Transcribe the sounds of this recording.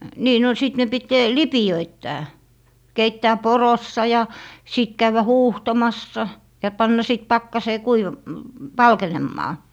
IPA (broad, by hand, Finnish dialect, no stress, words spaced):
niː no sit ne pit lipiøitːæː keitːæː porosːɑ jɑ sit kæyʋæ huːhtomɑsːɑ jɑ pɑnːɑ sit pɑkːɑseː kuiʋɑm ʋɑlkenemːɑː